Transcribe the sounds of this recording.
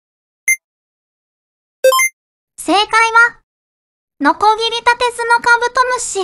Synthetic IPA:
se̞ːkaiβa | no̞ko̞ɡʲiɾʲit̪at̪e̞sɨno̞kabɯ̟t̪omɯ̟ɕi

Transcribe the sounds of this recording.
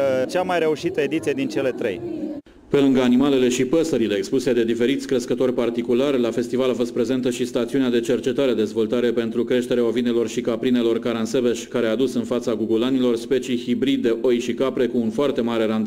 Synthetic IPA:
t͡ʃamajɾe̞uʃit̪əed̪it̪sijed̪int͡ʃe̞le̞t̪ɾḛj | pe̞lɨŋɡanimale̞le̞ʃipəsəɾile̞ːkspused̪e̞d̪ife̞ɾit̪sʲkɾəskət̪o̞rʲpart̪ikularʲlafe̞st̪ivalafo̞st̪pɾe̞ze̞nt̪əʃist̪at̪siunead̪e̞t͡ʃe̞rt͡ʃe̞t̪aɾead̪e̞zvo̞lt̪aɾe̞pe̞nt̪ɾukɾe̞ʃt̪e̞ɾeao̞vine̞lo̞rʃikapɾine̞lo̞rkaɾanse̞beʃkaɾead̪usɨnfat̪saɡuɡulanilo̞rspet͡ʃijhibɾid̪̚ːe̞ʔo̞jʃikapɾe̞kuːnfoart̪e̞maɾe̞ɾand̪

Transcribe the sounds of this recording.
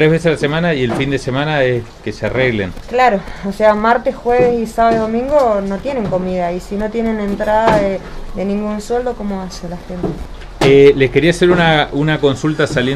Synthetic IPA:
t̪ɾeɦβes̬esalase̞manaie̞lfind̪ese̞manaeske̞seareɣlḛnklaɾo̞oseamaɾt̪esxweβesisaβaðoðo̞mĩŋɡono̞t̪je̞ne̞ŋko̞miðaisino̞t̪je̞ne̞nent̪ɾaðaðeðe̞nĩŋɡunswe̞ld̪o̞ko̞mo̞asenlaxent̪e | eleske̞ɾiaseɾunaunako̞nsult̪asalje

